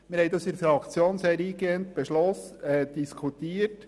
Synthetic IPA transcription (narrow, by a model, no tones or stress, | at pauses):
mɪɾhɛjd̥̪ɑsiɾfɾɑkt͡sjoːnsɛɾiːɡeːnt̪̚b̥ɛʃlɔsɛd̪̥iskʰutiːət